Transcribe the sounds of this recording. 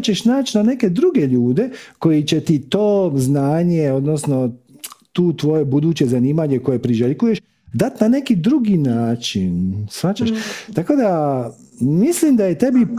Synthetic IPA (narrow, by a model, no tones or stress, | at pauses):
t͡ɕe̞ʃnaːt͡ʃnane̞ke̞d̪ɾuɡe̞ʎuːd̪e̞ko̞jit͡ɕe̞t̪it̪oːznaːɲeo̞d̪nosno̞t̪uːt̪ʋo̞je̞bud̪uːt͡ɕe̞zaniːmaɲe̞ko̞je̞pɾiʒelkuje̞ʃ | d̪at̪nane̞kid̪ɾuɡinaːt͡ʃḭnsʋat͡ɕaʃt̪ako̞d̪a | mislimd̪aje̞t̪e̞bi